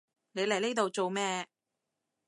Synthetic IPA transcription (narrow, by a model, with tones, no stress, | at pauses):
ne˨˧jlɐ˨˩jne˥t̪o˨wt͡so˨wmɛː˥˧